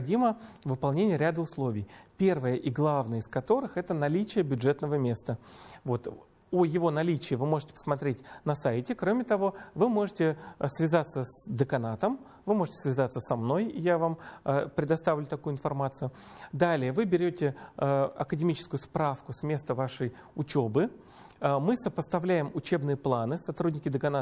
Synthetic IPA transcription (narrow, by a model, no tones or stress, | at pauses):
dʲiməvɨpɐlˠnʲenʲɪjəɾʲad̪əʊslˠo̞vʲɪjpʲervəjəʔɪɡlˠavnəjəɪskɐt̪o̞ɾɨxɛt̪ənɐlʲit͡ɕɪjəbʲʊdʐɛt̪nəvəmʲe̞st̪əvo̞t̪ | ojɪvo̞nɐlʲit͡ɕɪɪvɨmo̞ʐɨtʲɪ̥pə̥smɐt̪ɾʲetʲnɐsajɪtʲɪkɾo̞mʲɪt̪ɐvo̞vɨmo̞ʐɨtʲɪsvʲɪzat̪səsd̪əkɐnat̪əm | vɨmo̞ʐɨtʲɪsvʲɪzat̪səsɐmno̞jɪ̰javampɾʲɪd̪ɐst̪avʲlʲʊt̪ɐkujʊɪnfɐrmat̪sɨjʊ | d̪alʲɪjəvɨbʲɪɾʲotʲɪɐ̰kədʲɪmʲit͡ɕɪ̥skʊjʊspɾafkʊsmʲe̞st̪əvaʂɨj | ʊt͡ɕo̞bɨ | mɨsəpəst̪ɐvlʲæjɪmʊt͡ɕe̞bnɨjəplˠanɨsɐt̪ɾudʲnʲɪkʲɪd̪əkɐna